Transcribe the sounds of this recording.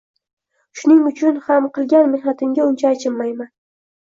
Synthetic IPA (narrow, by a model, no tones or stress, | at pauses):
ʃʊnɪŋʊt͡ʃʰʊnhamqɨlˠɡʲanmɪhnat̪ʰɪŋɡʲaʊnt͡ʃʰaːt͡ʃʰɪlmajman